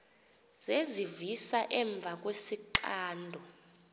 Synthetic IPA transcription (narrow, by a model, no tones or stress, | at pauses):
z̥ezivisaʔɛɱb̪vʱak̬ʼwesiǃaːndʱɔ